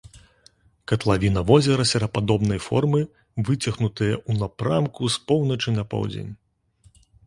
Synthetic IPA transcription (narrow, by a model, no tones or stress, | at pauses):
kɐt̪lˠavʲinɐvɔzʲɛɾɐsʲɐɾɐpad̪ɔbnɐjfɔ̰rmɨ | vɨt͡sʲɐɣnut̪ɨjɐʔunapɾamkuspɔwnɐt͡ʂɨnɐpɔ̰wd͡zʲḛnʲ